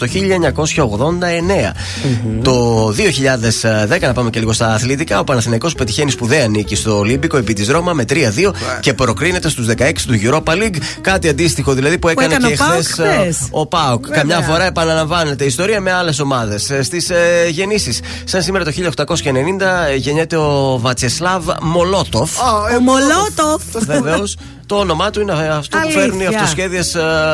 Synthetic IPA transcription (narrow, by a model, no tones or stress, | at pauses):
t̪o̞çiʎɐeɲɐko̞sçɐoɣðo̞nd̪ɐe̞ne̞ɐ̰ | t̪o̞ðioçiʎɐðe̞sðkɐnɐpɐmece̞liɣo̞st̪ɐːθlit̪ikɐo̞pɐnɐθinɐiko̞spe̞t̪içe̞nispuðeɐnicist̪o̞limbiko̞epit̪izðɾo̞mɐme̞t̪ɾiɐðio̞ce̞pɾo̞kɾine̞t̪e̞st̪uzðe̞kɐeksi̥t̪uʝuɾo̞pɐliɡ | kɐt̪iɐnd̪ist̪ixo̞ðilɐðipuekɐnekxθeso̞pɐukkːɐmɲɐfo̞ɾɐe̞pɐnɐlɐɱvɐne̞t̪e̞ist̪o̞ɾiɐme̞ɐle̞s̬o̞mɐðe̞sst̪isʝe̞nisisː | ɐnsimeɾɐt̪o̞çiʎɐoxt̪ɐko̞sçɐene̞nind̪ɐʝe̞ɲet̪e̞ovɐt͡seslɐvmo̞lo̞t̪o̞folot̪ofveveos | t̪o̞ono̞mɐt̪uineɐft̪opufe̞ɾuniɐft̪ossçe̞ðiɐs